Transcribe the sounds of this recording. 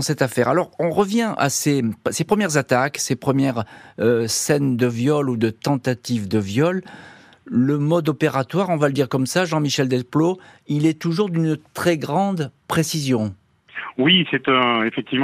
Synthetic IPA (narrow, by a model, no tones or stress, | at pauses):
sɛt̪afɛʁa̰lɔʁɔ̃ʁəvjɛ̃ʔa̰sesepχəmjɛʁzat̪aksepχəmjɛʁøsɛnd̪əvjɔlud̪ət̪ɑ̃t̪at̪ivd̪əvjɔlː | əmɔd̪ɔpeʁat̪waʁɔ̃valəd̪iʁkɔmsaʒɑ̃miʃɛld̪ɛlploilɛt̪uʒuʁd̪ynt̪χɛɡʁɑ̃d̪pχesizjɔ̃ | wisɛt̪ɛ̃efɛk̚t̪ivm